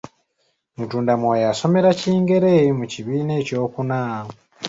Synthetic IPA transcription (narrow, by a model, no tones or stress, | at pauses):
mutuːndamwojaso̞me̞ɾaciːŋɡe̞ɾemuciβiːneco̞ːkunaː